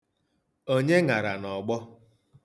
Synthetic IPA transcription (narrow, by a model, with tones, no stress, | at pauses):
o˦ɲe˦ŋa˨ɾa˨nɔ˨ɡ͡bɔ˦